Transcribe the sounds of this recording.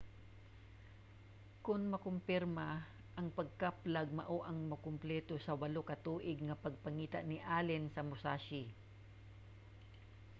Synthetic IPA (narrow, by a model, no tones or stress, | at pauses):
kʊnmɐkʊmpɪɾma | ʔɐŋpɐɡ̚kaplaɡ̚mɐ̰ʔoʔɐŋmɐkʊmplɛːt̪osɐwɐlokɐt̪uːʔɪɡŋɐpɐɡ̚pɐŋiːt̪aʔnɪʔaːlɪnsɐmʊsaːʃɪ